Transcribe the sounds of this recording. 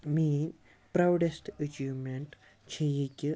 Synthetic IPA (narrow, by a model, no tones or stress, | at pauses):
mi | pɾawɖesʈət͡ɕiːʋmeɳʈ | t͡ɕʰejikʲi